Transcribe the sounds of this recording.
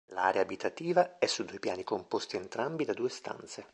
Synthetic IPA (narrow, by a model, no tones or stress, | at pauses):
la̰ːɾeaːbit̪ʰat̪iːvaɛsːud̪ːuːjpja̰ːnikompost̪ient̪ɾambid̪ad̪uːest̪a̰nt̪se